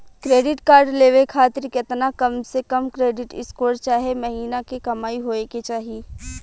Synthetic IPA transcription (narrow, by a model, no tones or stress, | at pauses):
kɾeːɖɪʈkaːɾɖleːʋekʰaːt̪ɪɾket̪nakɐmsekɐmkɾeːɖɪʈɪskoːɾt͡ʃaːɦemɐɦiːnakekɐmaːiɦoːeket͡ʃaːɦi